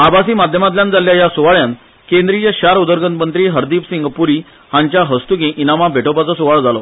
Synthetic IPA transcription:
abasiːmad̪ʱjəmat̪̬ljãnd͡zaljajasuʋaɭjãn | kẽnd̪ɾit͡ɕaɕaɾud̪əɾɡənmənt̪ɾiːɦəɾd̪iːpsiŋɡpuɾi | hãɲt͡ɕjaɦəst̪ukĩʔinamabʱeʈopat͡sɔsuʋaɭd͡zalɔ

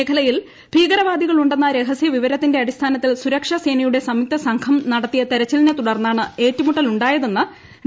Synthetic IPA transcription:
eːkʰɐlɐjil | piːɡɐɾɐʋaːd̪iɣɐɭuɳɖe̞nːɐɾe̞ɦɐsjɐʋiʋɐɾɐt̪ːinde̞ɐɽist̪ʰaːnɐt̪ːilsuɾɐkʂɐse̞ːnɐjuɽe̞sɐmik̚t̪ɐsɐŋkʰɐmnɐɽɐt̪ːijɐt̪eɾɐt͡ɕːɐlinet̪uɽɐrnːaːɳɨe̞ːtːumuʈːɐluɳɖaːjɐðe̞nːɨ

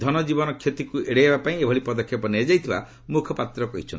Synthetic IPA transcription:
d̪ʱɔnɔd͡ʒibɔnɔkʰjet̪ikueɽeɦebapaĩebʱɔɭipɔd̪ɔkʰːjɔpɔned͡ʒajt̪ʰiba | mukʰɔpat̪ɾɔkɔɦit͡ʃʰɔn

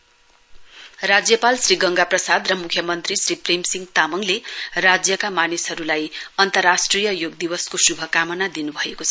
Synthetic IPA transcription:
rad͡zjʌpalsriɡʌŋɡaprʌsad̪rʌmukʰjʌmʌnt̪risripremsiŋɡt̪amʌŋlerad͡zjʌkamanisɦʌɾulajʌnt̪ʌrasʈrijʌjoɡ̚d̪iwʌskosubʱʌkamʌnad̪inubʱʌekot͡sʰʌ

